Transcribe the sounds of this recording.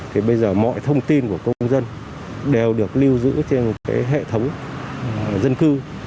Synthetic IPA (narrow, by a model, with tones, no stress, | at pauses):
t̪ʰi˨˩ɓə˧jzəː˨˩mɔ̰˧˨jt̪ʰə˧wŋ͡mt̪i˧nku˧˩əkə˧wwŋ͡mzə˧n | ɗe˨˩wɗɨ˨˩ək̚li˧wzɨ̰˧˥t͡ɕe˧n˨˩t̚kaː˨˦jɦḛ˧˨t̪ʰə˨˦wŋ͡m | zə˧nkɨ˧